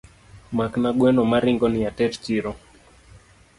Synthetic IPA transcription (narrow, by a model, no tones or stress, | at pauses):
maknaɡwɛnɔmaɾiŋɡɔnijatɛtt͡ʃiɾɔ